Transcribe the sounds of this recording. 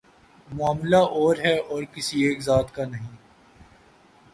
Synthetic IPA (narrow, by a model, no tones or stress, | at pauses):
mʊaːmlaʔɔːɾɦɛɔːɾkɪsieːkzaːt̪kanɐɦĩ